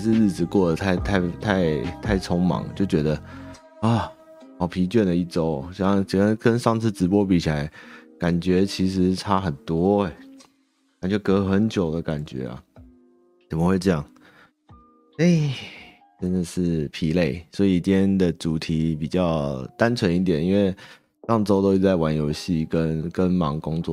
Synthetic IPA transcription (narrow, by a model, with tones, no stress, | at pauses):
ʂ̬ɻ̩˥˧ɻɻ̩˥˩t͡sɹ̩˨˩kwɔ˥˩d̪ə˩t̪ʰa˥˧ɪt̪ʰa˥˩ɪt̪ʰa˥˧ɪt̪ʰa˥˩ɪt͡sʰɔ˧˥ŋmɑ̰˨˥˦ŋ˦t͡ɕjo˥˩ʊt͡ɕɥɛ˧˥d̪ə˧ | ɐ˥˩ | hɑ˨˩ʊpʰi˧˥t͡ɕɥɛ˥˩ndə˩i˥˩ʈ͡ʂo˥ʊɕŋ˧˥kə˦nʂɑ˥˧ŋt͡s̩ʰ˥˩ʈ͡ʂɻ̩˧˥pwɔ˥pi˨˩t͡ɕʰi˨˩la˧˦ɪka˨˩nt͡ɕɥɛ˧˥t͡ɕʰi˧˥ʂ̬ɻ̩˧˦ʈ͡ʂʰa˥xə˨˩nt̪wɔ˥e˨˩ | ka˨˩nt͡ɕɥɛ˧˥kɤ˧˥˧xə˧˥nt͡ɕjo˨˩ʊd̪ə˦ka˨˩nt͡ɕɥɛ̰˧˥a̰˨ | t͡sə˨˩mə˦xwe˥˧ɪʈ͡ʂɤ˥jɑ˥˨˩ŋ | e˥˩ | ʈ͡ʂə˦nd̪ə˨ʂɻ̩˥˩pʰi˧˥le˥˩ɪswɔ˧˥i˨t̪ʰjɛ˥nd̪ə˨ʈ͡ʂu˨˩t̪ʰi˨˥˦pi˨˩t͡ɕjɑ˥˩ʊt̪a˦nt͡sʰwə˧˦ni˥˩t̪̬jɛ˨˩ni˥nwe˥˧ɪ | ʂɑ˥˩ŋʈ͡ʂo˥ʊt̪o˥ʊi˥t͡sa˥˩ɪwa˧˥njo˧˥ʊɕi˥˨˩kə˦˥nkə˦nmɑ˧˥ŋkʊ˥ŋt͡swɔ̰˥˨˩